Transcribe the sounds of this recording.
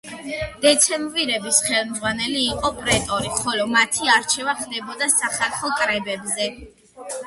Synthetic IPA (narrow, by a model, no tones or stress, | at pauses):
d̪̥ɛt̪sʰɛmbviɾɛbisχɛlˠmd̪zʁwanɛliːqʼɔpʼɾɛt̪ʼɔɾiχɔlɔmat̪ʰiaɾt͡ʃʰɛvaχd̪ɛbɔd̪asaχɛlˠχɔkʼɾɛbɛbzɛ